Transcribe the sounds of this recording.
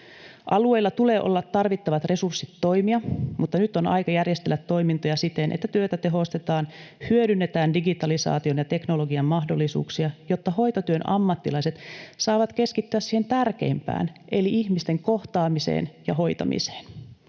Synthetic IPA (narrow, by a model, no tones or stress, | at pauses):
ʔɑlue̞ilːɑt̪uleːʔo̞̰lːɑt̪ːɑrʋit̪ːɑʋɑt̪re̞sursːit̪ːo̞imiɑmut̪ːɑnyt̪ːonɑ̰jkɑjærjest̪elːæt̪ːo̞imint̪ojɑsit̪enʔḛt̪ːæt̪yøt̪æt̪e̞ɦo̞st̪et̪ɑːnhyøɾynːet̪æːndiɡit̪ɑlisɑ̰ːt̪ionjɑt̪e̞knolo̞ɡiɑmmɑɦdolːisṵːksiɑjo̞t̪ːɑho̞jt̪ot̪yønʔɑ̰mːɑt̪ːilɑiset̪sɑːʋɑt̪ke̞skit̪ːyæssiːhe̞nt̪ærke̞̰impæ̰ːnʔe̞liʔiçmist̪e̞ŋko̞ht̪ɑːmisḛːnjɑɦo̞jt̪ɑ̰mḭse̥ːn